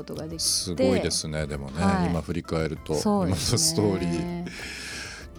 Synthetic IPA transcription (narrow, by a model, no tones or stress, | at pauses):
t̪oɡad̪esɨɡo̞id̪e̞sɨne̞d̪e̞mo̞ne̞imaɸɯ̟ɾʲikae̞ɾɯ̟t̪o̞̰omat̪asɨ̥t̪o̞ːɾʲiː